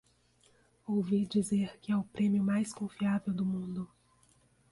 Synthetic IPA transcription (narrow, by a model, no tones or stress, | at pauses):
owvid͡ʒizeɾkɪɛʊpɾẽmjʊmajskõfiavewd̪ʊmũd̪ʊ